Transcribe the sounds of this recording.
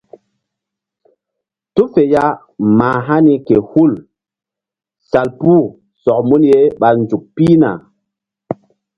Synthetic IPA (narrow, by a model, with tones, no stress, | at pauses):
tu˦fe˨ja˦ | maː˨ɦa˦ni˦ke˨hu˦˨l | sa˨lpu˦˨ | sɔ˨k̚mu˦nje˦ɓa˨nd͡ʒu˨k̚pi˦na̰˨